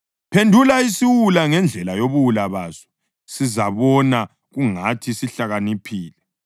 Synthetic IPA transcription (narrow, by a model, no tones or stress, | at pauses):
pʰendʱulaisiwulaŋɛnd͡ɮʱɛlajoβuwulaβazɔ̥ | sizaβɔna | ɣuŋatʰisiɬaɣanipʰiːlɛ